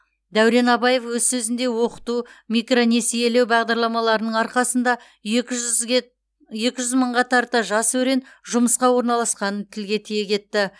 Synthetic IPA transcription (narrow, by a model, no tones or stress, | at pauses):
d̪æwɾe̞nɑbɑje̞fwɵzsɵzɪnd̪e̞wo̞qə̥t̪umʲijkro̞ne̞sije̞le̞wbɑʁd̪ɑɾlˠɑmɑlˠɑɾənəɴɑɾqɑsənd̪ɑ | je̞kʲɪʒʏzməɴʁɑt̪ʰɑɾt̪əʒɑswɵɾe̞nʒʊməsqɑwo̞ɾnɑlˠɑsqɑnənt̪ʰɪlɡʲe̞t̪ʰije̞kʲʰe̞t̪ːɪ